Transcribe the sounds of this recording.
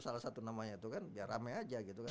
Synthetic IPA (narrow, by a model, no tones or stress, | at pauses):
salasat̪unamaɲait̪ukanbiaramɛad͡ʒaɡit̪uka